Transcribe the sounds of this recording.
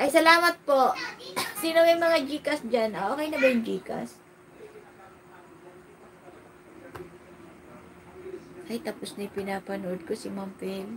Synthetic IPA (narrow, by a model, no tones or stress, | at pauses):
ʔɐjsɐlaːmɐt̪̚po̞ʔsiːnomɐjmɐŋad͡ʒiːkɐsd͡ʒanʔoʔoːkɛjnɐbɐjʊŋd͡ʒiːkɐ̰s | ʔɐjt̪ɐposnɐjpɪnaːpɐnoʔod̪̚kosɪmampɛl